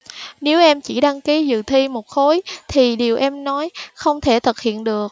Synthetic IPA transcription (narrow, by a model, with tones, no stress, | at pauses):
ne˨˦wʔɛ˧mt͡ɕi˧˩ɗa˧ŋki˨˦zɨ̰˧˨t̪ʰi˧mo˨˩t̚xo˨˦jt̪ʰi˨˩ɗi˨˩əwʔɛ˧mnɔ˨˦jxə˧wŋ͡mt̪ʰe˧˩t̪ʰɨ˨˩k̚hḭ˧˨ənɗɨ˨˩ək̚